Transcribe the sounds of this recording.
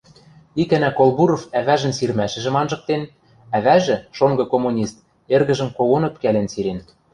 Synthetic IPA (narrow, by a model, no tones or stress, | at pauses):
ikænækolˠβuɾofæβæʒɘ̆nsirmæʃɘ̆ʒɘ̆mɑnʒɤ̆k̚t̪en | æβæʒɘ̆ʃoŋɡɤ̆komunʲist̪̚ | erɣɘ̆ʒɘ̆mkowonɤ̆pkælænsiɾen